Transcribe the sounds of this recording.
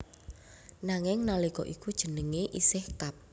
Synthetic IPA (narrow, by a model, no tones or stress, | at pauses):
naŋɪŋnalikɔ̰ʔikud̥ʒ̥ə̤nəŋeʔisɪhkap̚